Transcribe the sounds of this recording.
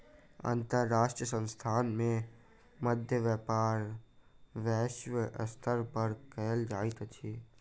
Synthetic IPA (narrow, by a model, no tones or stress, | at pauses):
ə̰̃nt̪əɾːaːʃʈɾijəsə̃nst̪ʰaːnmẽ | məd̪ʱjəʋɛːpaːɾ | ʋɛːʃʋəʔə̰st̪ʰəɾpəɾkɛːəld͡ʒaːit̪t̪ʰiː